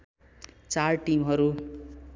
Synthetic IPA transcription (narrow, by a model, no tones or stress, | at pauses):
t͡sarʈimɦʌɾu